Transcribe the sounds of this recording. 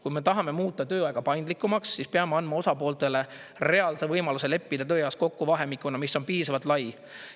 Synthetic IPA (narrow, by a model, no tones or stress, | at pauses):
kujme̞t̪ɑɦɑme̞muːt̪ːˑɑt̪ø̞ːɑeɡ̥ɑpɑjnd̪likːˑumɑksːispeɑmeɑnmɑo̞sɑpo̞ːlt̪e̞le̞ | rɾe̞ɑlsevɤjmɑluse̞le̞pːid̪̥ɑt̪øːjɑwsko̞kːuvɑɦe̞mikːˑunɑmisːo̞npiːsɑvɑt̪ˑlɑj